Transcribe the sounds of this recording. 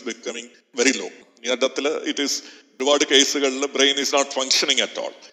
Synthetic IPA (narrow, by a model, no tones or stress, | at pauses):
bikːɐmĩŋ | ʋeɾilo̰ː | ɐɖɐt̪ːilʔiʈis | ɖuʋaːɽɨkeːsɨɣɐɭibɾeːnisnaːʈfɐ̃ŋkʂɐnĩŋɐtːɔ̰ːl